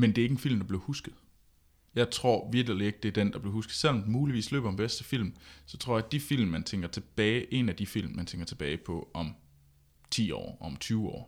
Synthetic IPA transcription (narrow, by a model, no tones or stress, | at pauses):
mend̥e̝æeɡ̥enfil̰md̥ɑ̈b̥le̝ɐhusɡ̥ð̩ˠ | jɑ̈ɪt͡sʰʁo̝ɐ̰ʋiɐɡ̥əlie̝ɡ̥̚d̥e̝æɐd̥end̥ɑ̈b̥le̝ʊhusɡ̥ð̩ˠsel̰ɒmd̥muːliʋḭːslø̰ːb̥ɐmb̥esd̥əfil̰msɒ̽t͡sʰʁɔ̰ɐ̰jɑ̈d̥ifil̰mmænt͡sʰeŋ̰ɡ̥ɐt͡sʰe̝b̥ɛːɪʔe̝næd̥ifil̰mmːænt͡sʰeŋɡ̥ɐt͡sʰe̝b̥ɛːɪpʰɒ̽ʔɒ̽m | t͡sʰḭːɒ̰ːɒ̽mt͡sʰyːʊɒ̰ː